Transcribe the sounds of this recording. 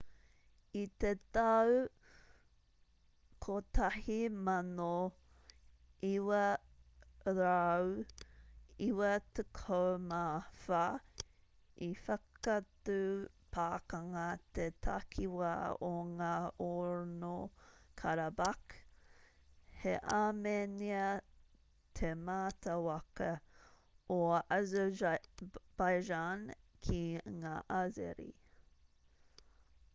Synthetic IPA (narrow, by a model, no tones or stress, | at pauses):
it̪et̪ɐw | kʰot̪ɐhimano | iwɐ | ɾaw | iwɐt̪ekʰowmaːfɐ | ifɐkatupʰaːkɐŋɐt̪ʰet̪ʰa̰kʰiwaoŋaːoɾnokʰaɾɐbak | heʔameniɐ | t̪ʰemaːt̪ɐwɐkɐ | oaz | b̥ajʒankʰiŋaːʔazḛɾḭ